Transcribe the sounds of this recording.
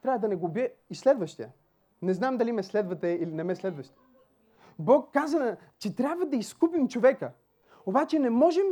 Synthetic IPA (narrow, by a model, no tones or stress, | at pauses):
t̪ɾʲavəd̪ɐnɛɡobjɛislɛd̪vəʃt̪ijə | nɛznamd̪ɐlʲimɛslɛd̪vɐt̪ɛilinɛmɛslɛd̪vɐʃt̪i | bɔkːazə | t͡ʃɛt̪ɾʲjabvɐəd̪ɐiskup̬imt͡ʃovɛkə | obat͡ʃɛnɛmɔʒɛm